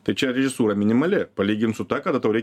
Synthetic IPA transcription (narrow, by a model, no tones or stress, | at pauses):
t̪ɐɪt͡ʃʲɛɾʲɛʒʲɪsuːɾɐmʲɪnʲɪmɐlʲɪpɐlʲiːɡʲɪnt̪sʊt̪ɑːkɐd̪ɐt̪ɐʊɾʲɛɪ